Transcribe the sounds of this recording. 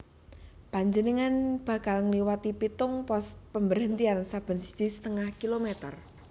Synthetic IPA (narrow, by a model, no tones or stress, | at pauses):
paɲd͡ʒənəŋanb̥a̤kalŋliwat̪ipit̪ʊŋpɔst̪̚pəmbəɾənt̪iansab̥ə̤nsə̥d͡ʒ̥isə̥t̪əŋahkilomet̪ər